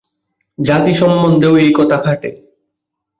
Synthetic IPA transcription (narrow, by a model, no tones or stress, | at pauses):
d͡ʑat̪iʃɔmːond̪ʱeoejkɔt̪ʰakʰaʈḛ